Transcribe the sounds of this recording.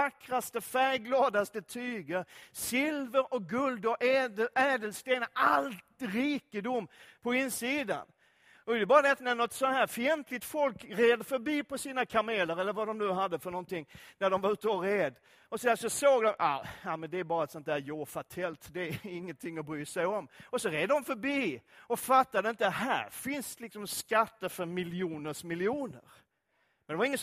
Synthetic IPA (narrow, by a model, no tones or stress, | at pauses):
akɾast̪əfæɾɡlɑːd̪ast̪ət̪ʰyːɡəɾsɪlvəɾɔk̚ɡɵld̪ɔʔɛːd̪əlst̪eːnaʔalt̪ɾiːkəd̪ʊmːpʰɔɪnːsiːd̪a̰n | ɔɛd̪ɛbɑːɾad̪ɛat̪nænɔt̪sɔnhæːɾfɪɛnt̪ʰlɪt̪fɔlkɾeːd̪əfœɾbiːpʰɔsiːnakʰameːləɾɛlːəɾvad̪ɔmnʉ̟ːɦad̪ːəfœɳnɔnt̪ɪŋːnæɖɔmvaɾʉ̟ːt̪əɔɾeːd̪ | ɔsɔæsɔsoːɡd̪ɔma̰jamɛnd̪ɛæɾbɑːɾat̪sɔnt̪̚d̪æːɾjoːfat̪ʰɛlt̪d̪ɛæɪŋːənt̪ʰɪŋːɔbɾyːsɛjɔmɔsɔɾeːd̪əd̪ɔmfœɾbiːɔfat̪ːad̪əɪnt̪əhæ̰ːɾfɪnslɪksɔmskat̪ːəɾfœɾmɪljuːnəʂmɪljuːnə̰ɾ | mɛnd̪ɛvɾɪŋːə